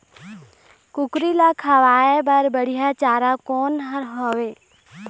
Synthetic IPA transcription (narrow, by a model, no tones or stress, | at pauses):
kʊkɾilakʰaʋaːebɐɾbəɽijat͡ʃaːɾakoːnɦəɾɦoːʋeː